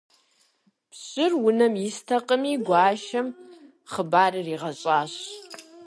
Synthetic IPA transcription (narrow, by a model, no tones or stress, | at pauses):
pɕɪrwʊnɐmjɪstʰɐqʼəmiːɡʷaːʃɐm | χəbaːrɨriːʁɐɕʼaːɕ